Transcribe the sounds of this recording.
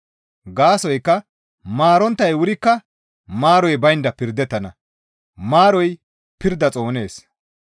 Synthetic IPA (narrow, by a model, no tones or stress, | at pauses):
ɡaːsɔjkːɐ | maːɾɔnt̪ːɐjwʊɾɪkːɐ | maːɾɔjbɐjnd̪ɐpɪɾd̪ːɛt̪ːɐnɐ | maːɾɔj | pɪɾd̪ɐt͡sʼo̞ːne̞ːs